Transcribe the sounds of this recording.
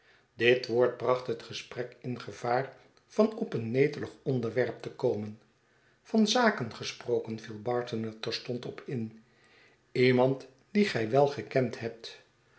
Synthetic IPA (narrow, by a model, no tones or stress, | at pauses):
dɪtʋoːɹt̚brɑχtɦətχəsprɛkɪnχəv̥aːɹ | v̥ɑnɔpənːejtələχɔndəɹʋɛɹp̚təkowmən | vɑnzaːkənχəsprowkənvilˠbɑːɹtənɛɹtɛɹstɔntɔpʰɪn | imɑnt | d̥iχɛjʋɛlˠχəkɛntɦɛp̚t